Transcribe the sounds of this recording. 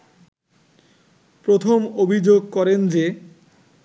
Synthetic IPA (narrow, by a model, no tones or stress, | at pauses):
pɾot̪ʰomobʱid͡ʑoɡ̚kɔɾend͡ʑe